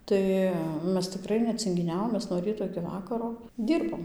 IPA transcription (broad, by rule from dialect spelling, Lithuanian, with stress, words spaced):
ˈtɐɪ ˈmʲɛs tʲɪˈkrɐɪ nʲɛt͡sʲɪŋʲɡʲɪˈnʲæːʋoːm ˈmʲɛs noː ˈrʲiːtoː ɪkʲɪ ˈʋɑːkɐroː ˈdʲiːrboːm